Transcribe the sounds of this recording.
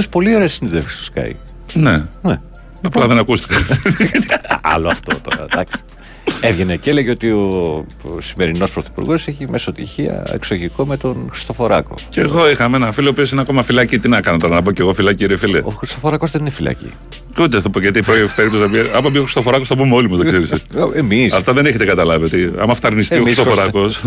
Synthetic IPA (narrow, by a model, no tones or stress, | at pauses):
ospo̞lio̞ɾesːiniðefçe̥st̪o̥skɐ̰ḭ | nene | ɐplɐðenɐkust̪i̥kɐ | ɐ̰loɐft̪ot̪o̞̰ɾɐ̰d̪ɐksi̥ | evʝenecele̞ʝeot̪io | sime̞ɾino̞spɾoθi̥pṵɾɣo̞se̞çimesot̪içiɐ̰ḛksoʝiko̞me̞t̪o̞nxɾi̥st̪o̞fo̞ɾɐko̞̰ceɣo̞ixɐmeenɐfiliopio̞sineɐko̞mɐfilɐcit̪inɐkɐnot̪ɾɐnɐp̬oce̞ɣofilɐciɾefileoxɾist̪o̞foɾɐkozðeninefilɐ̰cḭ | ut̪eθupoʝɐt̪ipɾopeip̚t̪osiopiɐɐpɐbioxɾi̥st̪ofo̞ɾɐkosθɐpumeolimɐzðoseɾiseemisɐft̪ɐðeneçet̪ekɐt̪ɐlɐviot̪iɐ̰mɐft̪ɐɾnist̪ioxist̪ofoɾɐkos